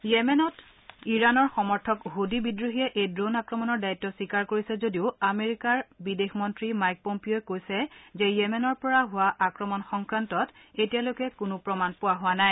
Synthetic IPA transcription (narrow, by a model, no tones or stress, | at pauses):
jemɛnɔt | iɹanɔɹxɔmɔɹtʰɔkɦodibidɹuɦijɛʔejdɹonakɹɔmɔnɔɹdaitːɔsikaɹkoɹisɛzodiʊameɹikaɹbidexmɔntɹimajk̚pompioɛkojsɛzɛjɛmɛnɔɹpɔɹaɦʊwaʔakɹɔmɔnxɔŋkɹantɔt | etialojkɛkʊnʊpɹɔmanpʊwaɦʊwanaj